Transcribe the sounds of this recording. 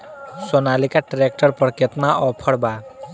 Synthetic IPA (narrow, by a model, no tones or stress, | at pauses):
sɔnalikaʈɾek̚ʈəɾpɔɽket̪naʔɔpʰɔɽba